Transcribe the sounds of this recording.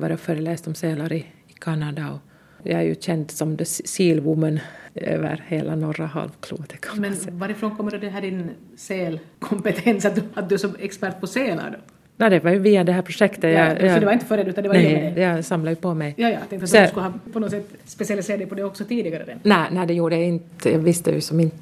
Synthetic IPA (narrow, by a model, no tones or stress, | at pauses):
ʋɑ̰ɾjɑføːɾəleːst̪ɔmseːlaɾɪ | kʰɑnɑd̪ɑɔ̰ | jɑ̰æ̰ɾjʉ̰ɕɛnt̪sɔmd̪ɛsiːlbumːənø̰ːʋə̰ɾheːlanɔɾahɑ̰lvkʰlṵːt̪ʰɛkʰɔ̥mɛnvaɾɪfɾoːnkʰɔmːəɖɔd̪ɛɦæːɖɪnseːlkʰɔmpɛt̪ʰɛnsat̪̚d̪t̪̚d̪ɵæʂɔɛkspæɾʈ̪̚pʰɔseːla̰ɾɖ̪ɔ | jɑd̪ɛvɑɾjʉviːad̪ɛɦæːɾpʰɾʊʂɛkt̪əjɑɑsɔd̪ɛvaɾɪnt̪əfœɾɛːʉːand̪ɛaɾnɛjɑsɑmlajʉpɔmɛjjɑːjɑt̪ɛŋt̪at̪dskʉlhɑpʰɔnɔt̪sɛt̪ː | spɛsɪalɪseːɾad̪ɛɪpʰɔd̪ɛɔksɔt̪ʰiːd̪ɪɡaɾəd̪ɛnæːnæɪd̪ɛjuːɖəjaɪnt̪jɑ̰ːɡvɪst̪ə̰jʉ̰sɔmɪnt̪ə